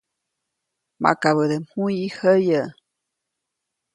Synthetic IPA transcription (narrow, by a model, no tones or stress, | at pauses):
mʔa̰kaβəd̪əm̥hujihəjə